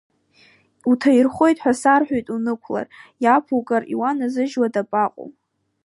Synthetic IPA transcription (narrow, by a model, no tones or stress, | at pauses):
utʰairχʷo̞jtʼħʷᶣasarħʷᶣojtʼunɨkʷʰla̰rjapʰukʼarḭwanazɨʒwadapʼaqʼo̰